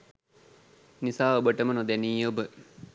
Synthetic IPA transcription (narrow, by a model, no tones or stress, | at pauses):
nisaːobəʈəmənod̪æniːjobə